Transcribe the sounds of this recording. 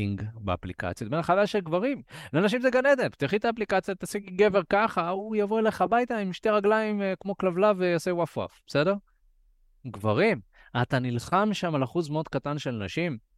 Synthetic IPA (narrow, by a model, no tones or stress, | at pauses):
iŋɡbea̰plika̰t͡sjot̪̚menaχavaaʃelɡvaʁimlenaʃ̬imzeɡaned̪evt̪iχit̪aːplikat͡sjat̪asikiɡe̞ve̞ʁkaχaujavo̞e̞leχabajt̪aimʃte̞jʁaɡlaimkmo̞klavlavejasewafwa̰fb̥ese̞de̞ʁ | ɡvaʁim | at̪anilχamʃamalaχuzmeo̞d̪̚katanʃelnaʃim